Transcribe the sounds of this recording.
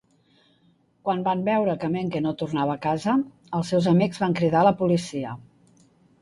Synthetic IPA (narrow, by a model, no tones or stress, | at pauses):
kwanbambɛwɾəkəmeŋkenot̪urnaβəːkazə | əlˠsewzəmikzβaŋkɾiðaləpulisiə